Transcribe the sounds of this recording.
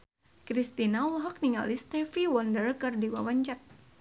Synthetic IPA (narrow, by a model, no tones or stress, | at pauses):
kɾist̪inalɦɔk̚niŋa̰list̪ɛfiwɔndərkɨrdiwawaɲt͡ʃat̪̚